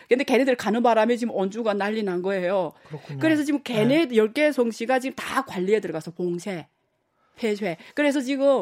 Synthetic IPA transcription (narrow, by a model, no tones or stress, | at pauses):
kɯndeke̞nedɯɭkanɯnbaɾamit͡ɕiɡɯmʌnd͡ʑuɡanːaʎːinanɡʌe̞jokɯɾe̞sʰʌt͡ɕiɡɯmkenedjʌɭk͈e̞sʰʌŋɕʰiɡat͡ɕiɡɯmtakwaʎːiedɯɭɡasʰʌpoŋsʰe | pʰesʰwe̞kɯɾe̞sʰʌt͡ɕiɡɯm